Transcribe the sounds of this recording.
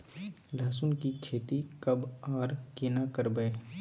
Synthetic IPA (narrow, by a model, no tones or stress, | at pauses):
laːsʊnkikʰeːt̪ikəbaːɾkenakəɾbəe